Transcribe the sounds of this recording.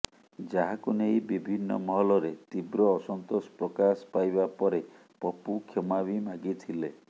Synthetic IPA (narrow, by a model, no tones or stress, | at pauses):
d͡ʒaɦakunejbibʱinːɔ̰mɔɦɔlɔɾet̪ibɾɔːsɔnt̪ospɾɔkaspajbapɔɾe | pɔpukʰɔmabimaɡit̪ʰile